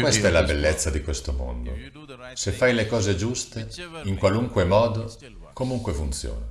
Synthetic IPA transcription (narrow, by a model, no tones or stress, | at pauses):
kwest̪ɛlabelːet̪sːad̪ikwest̪omo̰nd̪o̰ | sefːajlekɔːzed͡ʒust̪eiŋkwaluŋkwemɔːd̪o | komuŋkwefunt̪sjo̰ːna